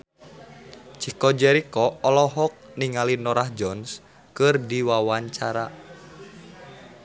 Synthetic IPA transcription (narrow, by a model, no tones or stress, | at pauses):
t͡ʃikɔd͡ʒɛɾikɔːlɔɦɔk̚niŋalinɔɾahd͡ʒɔns | kɨrdiwawaɲt͡ʃaɾa